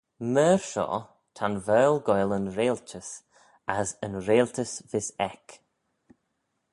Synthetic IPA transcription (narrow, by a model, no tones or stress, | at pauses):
məːɹʃɔ̰ː | t̪ʰanvɛːlɡɔjlənɾeːltʰəs | asənɾeːlˠtʰəsvɪsɛk